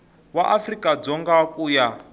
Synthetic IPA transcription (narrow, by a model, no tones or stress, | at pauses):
waʔafrikʼad͡zɔŋɡakʼuja